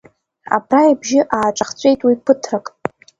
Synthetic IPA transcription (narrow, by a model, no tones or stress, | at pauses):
a̰brajbʒɪʔaːʈ͡ʂʼaχt͡sʷʼe̞jtʼwipʰɨtʰrakʼ